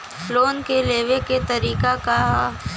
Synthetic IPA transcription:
floːnkeleːʋeket̪ɐɾiːkaka

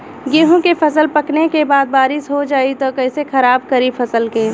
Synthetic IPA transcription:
ɡeːɦõkefʰɐsəlpɐknekebaːd̪̚baːɾɪsɦod͡ʒaːit̪okɐɦsexʰɐɾaːb̚kɐɾipʰɐsəlkeː

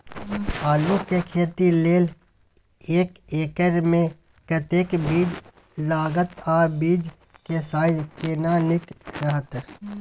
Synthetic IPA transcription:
aːlõkekʰeːt̪ileːl | eːkeːkəɾmẽ | kət̪eːkbiːd͡ʒ | laːɡət̪aːbiːd͡ʒ | kesaːjkeːnaːnɪkɾəɦət̪

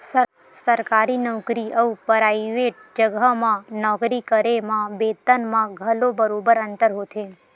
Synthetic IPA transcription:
sə | səɾkaɾinɔwkɾiəʋpəɾaiʋeʈ̚d͡ʒəɡəmãnɔkɾikəɾemãbet̪ənmãɡʱəlobəɾobəɾənt̪əɾɦot̪ʰe

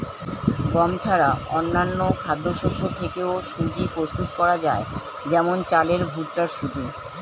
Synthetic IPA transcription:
ɡɔmt͡ɕʰaɾaɔnːanːokʰad̪ʱːoʃoʃot̪ʰekeoʃud͡ʑipɾost̪ut̪kɔɾad͡ʑae | d͡ʑɛmont͡ɕaleɾbʱuʈʈaɾʃud͡ʑi

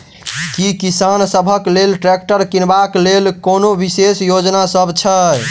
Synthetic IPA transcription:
kikisansəbʱəklelʈɾɛk̚ʈəɾkinbaklelkonobisesjod͡ʒnasəbt͡ʃʰə

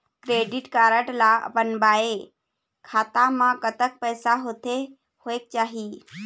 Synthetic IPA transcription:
kɾeːɖɪʈkaːɾəʈlabənbaːe | kʰaːt̪amãkət̪ək̚pɛːsaɦoːt̪e | hoeːk̚t͡ʃaːɦi

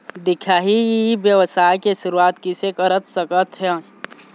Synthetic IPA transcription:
d̪ɪkʰaːɦibjəʋəsaːkeʃʊɾuaːt̪kisekəɾət̪səkət̪ɦɛ

